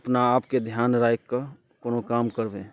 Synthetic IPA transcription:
əpnaːpked̪ʱjaːnɾaːjkːə | koːnokaːmkəɾbẽː

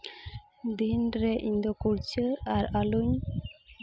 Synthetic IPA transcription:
d̪inɾɛʔiɲd̪ɔkuɾt͡ʃəaɾaluɲ

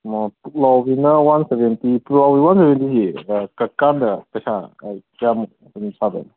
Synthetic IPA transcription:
mapulawbinɐwansebentipulawbiwansebentisikɐkandɐpɐjsa̰ | jam̚ | unisʰabḛn

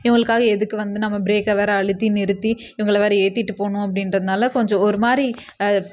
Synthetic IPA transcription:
ɪɐŋɡɐɭɯkːaːɣɐɛðɯkːɯʋɐnd̪ɯnɐmːɐbɪɾeːkːɐʋeːɾɐɐɭɯt̪ːinɪɾɯt̪ːiɪʋɐŋɡɐɭɐʋaːɾieːt̪ːɪʈːɯpoːɳʊ̃ɐp̬ːɐɽɪnrɐðɯnaːlɐkɔɲd͡ʒɔ̃ɔɾɯmaːɾi

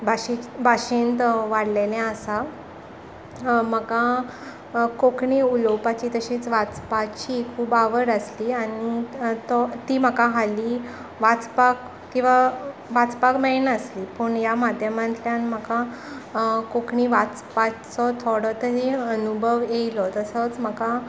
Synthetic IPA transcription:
bʱaɕibʱaɕint̪ʋaɽlenẽəsa | m̤əka | kokʰɳiːulɔwpat͡ɕiːt̪əɕiːt͡sʋat͡spat͡ɕikʰubaʋəɾəsliːanit̪ɔt̪iːm̤əkaɦaliː | ʋat͡spak | kĩw̃ʋaʋat͡spakmenəsliːpəɳjamad̪ʱjəmãnt̪ljanm̤əka | kokʰɳiʋat͡spat͡sɔt̪ʰoɽɔt̪əɾiənubʱəʋjeilɔt̪əsət͡sm̤əka

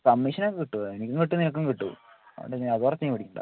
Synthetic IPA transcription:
kɐmːiʂɐnokːɨkiʈːuenikʲːuŋkiʈːuninɐk̬ːuŋkiʈːu | ɐ̰ɐ̰ɳɖeɲːɐðoːrɐt͡ɕːɐjipɐɽikʲːuɳɖa̰

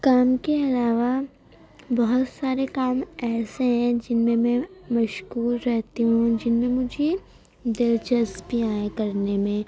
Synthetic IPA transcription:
kaːmkeɐlaːʋa | bɐɦʊt̪saːɾekaːmɛːseɦɛ̃d͡ʒɪnmẽmɛ̃mɐʃkuːɾɾɛɦt̪iɦũd͡ʒɪnmẽmʊd͡ʒʱe | d̪ɪlt͡ʃəsbiaːẽkɐɾnemẽ

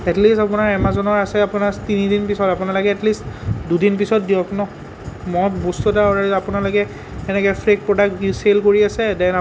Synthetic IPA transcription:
ɛtlistapʊnaɹɛmazɔnɔɹasɛapʊnatinidinpisɔtapʊnalɔkɛɛtlistdudinpisɔt̚dijɔknɔ | mɔbostɔtaɔɹaɹapʊnalokɛ | ɛnɛkɛpʰɹek̚pɹɔdak̚selkoɹiasɛdɛna

